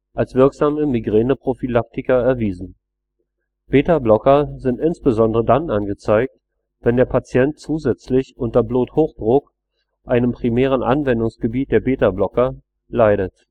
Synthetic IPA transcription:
ʔalsv̥ɪɐkz̥aːməmiɡʁeːnəpʁ̥ofilak̚tɪkɐɛɐviːzn̩ | b̥eːtablɔkɐzɪntʔɪnsb̥əzɔndəʁədanʔanɡət͡saɪk̚t | v̥ɛndeːɐpʰat͡sjɛnt̚t͡suːzɛt͡slɪçʔʊntɐbloːthoːxd̥ʁʊk | ʔʔaɪnəmpʁ̥imɛːʁ̞ənʔa̰nvɛndʊŋsɡ̥əbiːt̚d̥eːɐbeːtablɔkɐ | laɪɾət

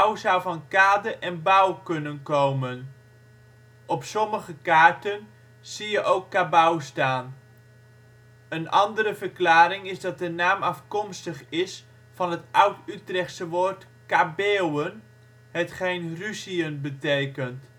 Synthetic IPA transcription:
awzʌwvɑnkaːdəʔɛnbawkɵnənkowmən | ɔpsɔməχəkaːɹtən | z̥ijəʔowkːabawstaːn | ənʔɑndəɾəvəɹklaːɾɪŋɪzdɑt̚dənaːmɑfkɔmstəχɪs | fɑnɦətʌwtytrɛχtsəʋoːɹt | kabeːwən | hətχejnrysiənbətejkənt

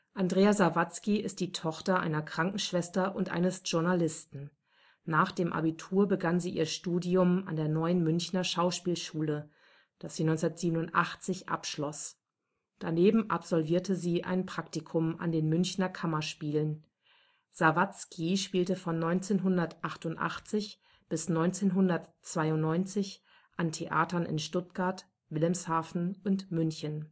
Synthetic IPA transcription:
ʔandʁeːazavat͡skiɪst̚d̥iːtʰɔχtɐʔa̰ɪnɐkʁ̥aŋkŋ̩ʃv̥ɛstɐʔʊntʔa̰ɪnəsʒ̥ʊɐnalɪstn̩ | naːχd̥eːmʔa̰bitʰuːɐbəɡanziːʔiːɐʃtuːdiʊma̰ndeːɐnɔʏənmʏnçnɐʃaʊʃpiːlʃuːlə | d̥asz̥iːnɔnt͡sʊnɐtz̥iːbənʊntʔa̰χt͡sɪçʔa̰pʃlɔs | d̥aneːbm̩ʔa̰pz̥ɔlviːɐtʰəziːʔa̰ɪnpʁ̥aktikʰʊmʔa̰ndeːnmʏnçnɐkʰamɐʃpiːlən | z̥avat͡skʰiʃpiːltəfɔnːɔʏnt͡seːnɦʊndɐtʔaχtʊntʔa̰χt͡sɪç | b̥ɪsnɔʏnt͡seːnɦʊndɐtt͡sv̥aɪʊntnɔʏnt͡sɪç | ʔantʰeʔa̰ːtɐnɪ̰nʃtʊt̚ɡ̥aɐt | vɪlɛmshaːfn̩ʊntmʏnçən

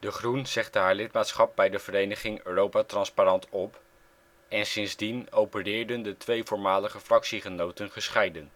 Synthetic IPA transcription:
dəχrunz̥ɛχdəɦaːɹlɪtmaːtsχɑp̚bɛjdəvəɾejnəχɪŋøːrowpaːtrɑnsparɑntɔp | ɛnsɪnzdinowpərɪːɹdəndətʋejvʊːɹmaːləχəfrɑksiχənowtənχəsχɛjdən

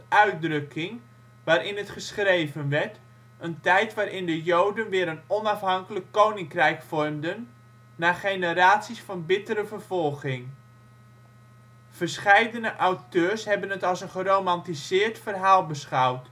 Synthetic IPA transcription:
œɥt̚drɵkʰɪŋ | ʋaːɾʔɪnətχəsχrejvənʋɛɹt | əntɛjtʋaːɾʔɪndəjowdənʋɪːɾənɔnɑfɦɑŋkələkːownɪŋkrɛjkfɔrmdənː | aːχejnəɾaːtsisfɑnbɪtəɾəvərv̥ɔlˠɣɪŋ | v̥əɹsχɛjdənəʔawtøːɹshɛbənətɑlˠsənχərowmɑntisɪːrtfərɦaːlˠbəsχawt

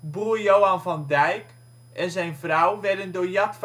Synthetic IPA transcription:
buːəjowanvɑndɛjk | ʔɛnzɛjnvrawʋɛdəndoːjɑtf

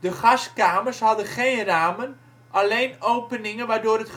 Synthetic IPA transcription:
dəχɑskaːmərsɦɑdəχejnraːmən | ʔalejnowpənɪŋənʋaːɹdʊːrɦət

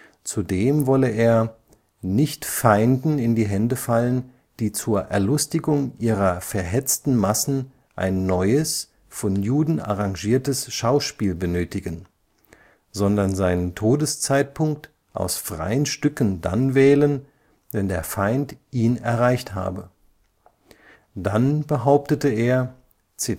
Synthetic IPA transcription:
t͡sudeːmvɔləʔeːɐ | nɪçtfaɪndn̩ɪndiːɦɛndəfalən | d̥iːt͡suːɐʔɛ̰ɐlʊstɪɡʊŋʔiːʁɐfɛɐɦɛt͡stn̩masn̩ | ʔa̰ɪnːɔʏəs | fɔnjuːdn̩ʔa̰ʁaŋʒiːɐtəsʃaʊʃpiːlbənøːtɪɡən | zɔndɐnzaɪnəntʰoːdəst͡saɪt̚pʰʊŋk̚t | ʔa̰ʊsfʁ̥a̰ɪənʃtʏkn̩da̰nvɛːlən | vɛndeːɐfaɪntʔiːnɛ̰ɐʁaɪçtha̰ːbə | d̥anbəɦaʊp̚tətəeːɐ | t͡sɪ

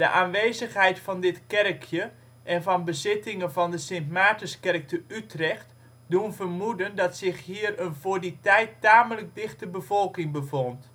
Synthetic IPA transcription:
d̥ə̰ʔaːnʋeːzəxɦɛjtfɑndɪtkɛrkʰjə | ʔɛnvɔnbəzɪtɪŋənvɔndəsɪnpmaːtəskɛrk̚təytrɛxt | dunvərmudəndɑtsɪxɦiərənvʊːrditɛjtːaːmələɡ̚dɪxtəbəvolˠkɪŋbəvont

